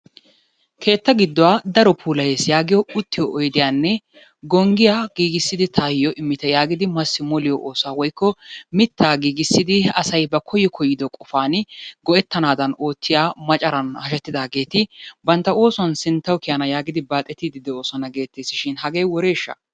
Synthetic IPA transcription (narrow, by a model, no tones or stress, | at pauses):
kʰe̞ːt̪ːɐɡɪd̪ːɔwaːd̪ɐɾɔpʰuːlɐjeːsjaːɡɪjɔʊt̪ːɪjɔʔɔjd̪ɪjaːnːɛ | ɡɔŋɡɪjaɡiːɡɪsːɪd̪ɪt̪ʰaːjjɔʔɪmːɪt̪ɛjaːɡɪd̪ɪmɐsːɪmɔlɪjɔʔo̞ːsʊaːwɔjkːɔmɪt̪ːaːɡiːɡɪsːɪd̪ɪɐsɐjbɐkʰɔjːɔkʰɔjːɪd̪ɔkʼɔfaːnɪɡɔɛt̪ːɐnaːd̪ɐno̞ːt͡sːɪjaːmɐt͡ʃʼɐɾɐnhɐʃɛt̪ːɪd̪aːɡe̞ːt̪ɪbɐnt̪ːɐo̞ːsʊɐnsɪnt̪ːɐwkɪjanɐjaːɡɪd̪ɪbaːt̪ʼːɛt̪ːiːd̪ɪd̪ɛo̞ːsɔnɐɡe̞ːt̪ːeːsɪʃɪnhɐɡeːjwɔɾe̞ːʃːɐ̰